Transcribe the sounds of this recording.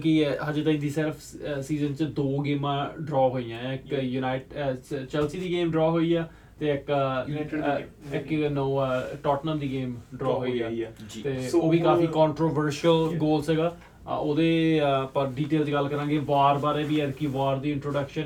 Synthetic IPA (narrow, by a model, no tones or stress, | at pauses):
kiɦəd͡ʒet̪aĩːd̪iːsɪɾəpʰsiːzənt͡ʃd̪oːɡeːmãːɖɾɔːɦoːijãːɪkjunaːɪʈt͡ʃɛlsiːd̪iːɡeːmɖɾɔːɦoːiːaː | t̪eːɪk | ɪknoːʈɔːʈnəmd̪iːɡeːmɖɾɔːɦoːiɛːt̪eːoːʋiːkaːfiːkɔ̃ːɳʈɾoːʋəɾʃəlɡoːlsɛɡaː | oːd̪eːpəɾɖiːʈeːlt͡ʃːɡəlkəɾãːɡeːʋaːɾbaːɾẽːbiːɛd̪kiːʋaːɾd̪iːɪ̃ɳʈɾoːɖəkʃən